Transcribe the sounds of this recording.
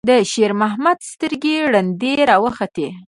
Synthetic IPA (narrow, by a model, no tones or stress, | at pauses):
d̪əʃeɾmaɦmad̪st̪əɾɡeɽand̪eɾɑwəxat̪e